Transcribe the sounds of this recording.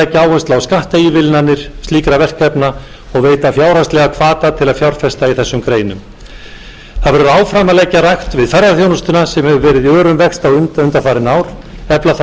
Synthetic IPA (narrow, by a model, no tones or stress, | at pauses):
ɛcːaaːwhɛst̪aawskaht̪aiːvɪlnanːɪɾ̥st̪liːkɾavɛr̥kɛpna | ɔɣveːjt̪afjaːwɾ̥ast̪lɛɣakʰvaːt̪at̪ʰɪlaðfjawr̥fɛst̪aiθɛsːʏmkɾeːjnʏm | θaðvɛɾʏaːwfɾaːmalɛcːaɾajxt̪vɪðfɛɾðaɾθjownɔst̪ʏnasɛmhɛvʏvɛːɾɪðiœːɾʏmvɛkst̪awʏnt̪ʏnt̪afaːɾɪnaːwɾ̥ | ɛplaθ